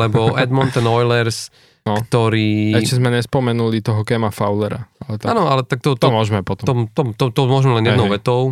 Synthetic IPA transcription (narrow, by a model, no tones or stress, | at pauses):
lɛbɔʔɛd̪mɔnt̪ɛnɔjlɛɾs | nɔt̪ɔɾiːɛʃcɛzmɛɲɛspɔmɛnulit̪ɔɦɔkɛmafaʊlɛɾa̰alɛt̪aaːnɔalɛt̪ak̚t̪ɔt̪ɔmɔʒmɛpɔt̪ɔmɔmt̪ɔmt̪ɔt̪ɔmʊɔʒmɛlɛnjɛd̪nʊʋɛt̪ɔʊ